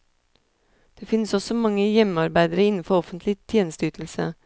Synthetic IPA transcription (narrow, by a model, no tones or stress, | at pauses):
d̪̥eːfɪnəsɔsɔmɑŋːəjɛmɑɾbæɪd̪əɾəɪnn̩fɔɾɔfənt̪ʰlɪt̪ʰjeːnəst̪əyːt̪ʰl̩sə̰